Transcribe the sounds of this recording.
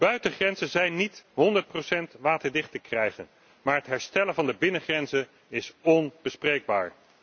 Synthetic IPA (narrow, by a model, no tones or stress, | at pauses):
b̥œɥtəχrɛnzənzɛjnːitɦɔndəɹt̚prowsɛntʋaːtəɹdɪχtəkrɛjχə̰n | maːɹɦətɦɛɹstɛlənvɑndəbɪnəχrɛnzən | ɪsɔnb̥əsprejɡ̚ba̰ːɹ